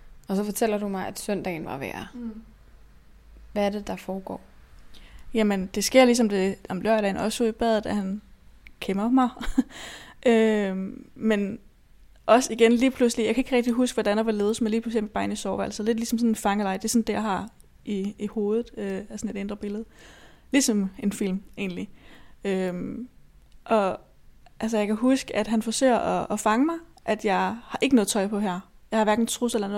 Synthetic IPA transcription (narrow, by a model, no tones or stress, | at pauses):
ɒ̽sɒ̽fɒt͡sʰel̰ɐd̥umɑ̈ɪʔæd̥sœn̰d̥ɛ̰ɪn̩ʋɑ̈ʋɛ̰ɐ | ʋæːɐd̥ed̥ɑ̈fɒːɡ̥ɒ̰ː | jæmənd̥e̝sɡ̥e̝ɐ̰lis̬ɒ̽md̥e̝ɒ̽mlɶɐ̰ɾɛ̰ɪnɒ̽suð̰ˠib̥ɛðˠð̩ˠd̥æhænkʰemɐmɑ̈ɪ | ʔø | men | ʔɒ̽siɡ̥enliːpʰluslijɑ̈ɪkʰæe̝ɡ̥əʁɛɡ̥d̥iɦusɡ̥ʋɒd̥ænɑʋɑ̈le̝ːðˠsmeliːpʰluslime̥ɑ̈ɪe̝̰nisɒʊʋælsle̝d̥lisɒ̽msɔ̽nenfɑ̈ŋəlɑ̈ɪd̥e̝sɔ̽nd̥e̝jɑ̈ɪɦɑ̈ | iːho̝ːð̩ˠøæsɒ̽ne̝d̥end̥ʁɐb̥e̝ləð̩ˠ | lisɒ̽me̝nfil̰me̝̰ːnliøm | ʔɒ̽ | ʔæls̬əjɑ̈ɪkʰæɦusɡ̥əæd̥ɦænfɒ̽sø̰ːɐʔɒːfɑ̈ŋəmɑ̈ɪʔæd̥jɑ̈ɪhɑ̈ʔe̝ɡ̥ənɔ̽ð̩ˠt͡sʰɒ̽ɪpʰɒ̽ɦæɐ̰ | jɑɪhɑ̈ʋæɐɡ̥n̩t͡sʰʁuselɐnɔ̽